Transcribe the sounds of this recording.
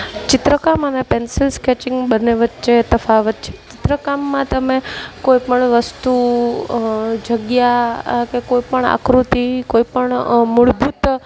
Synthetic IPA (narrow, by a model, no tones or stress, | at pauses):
t͡ʃɪt̪ɾəkamənepensɪlsket͡ʃɪ̃ŋɡbəneʋət̪ːʃet̪əfaʋət̪̚t͡ʃʰe̥t͡ʃɪt̪ɾəkamːãt̪əmekoipəɳʋəst̪u | d͡ʒʱəɡjakekoipəɳa̰kɾut̪ikoipəɳmʊɭbʱut̪